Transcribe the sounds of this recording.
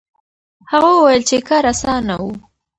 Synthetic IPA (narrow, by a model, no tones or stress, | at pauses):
haɣawwajəlt͡ʃekaɾasɑnawu